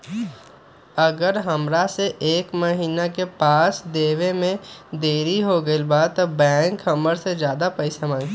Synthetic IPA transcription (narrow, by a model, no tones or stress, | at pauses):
əɡəɾɦəmɾaseʔeːkmɐɦiːnakepaːsd̪eːʋemẽd̪eːɾiɦoɡəilbaːt̪bɛ̃ːŋkhɐməɾsed͡ʒjaːd̪apəɪsamãːŋ